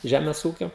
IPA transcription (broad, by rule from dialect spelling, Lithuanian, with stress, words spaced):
ˈʒʲæːmʲɛs ˈuːkʲoː